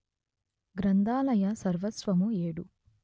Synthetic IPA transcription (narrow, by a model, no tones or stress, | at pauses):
ɡɾɐnd̪aːlɐjɐsɐɾʋɐt̪sʋɐmueːɽu